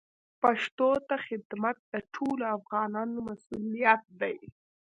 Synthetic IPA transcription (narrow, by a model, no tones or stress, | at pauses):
paʂt̪ot̪axɪd̪mat̪̚d̪əʈʰolafɣɑnɑnomasulijat̪̚d̪aj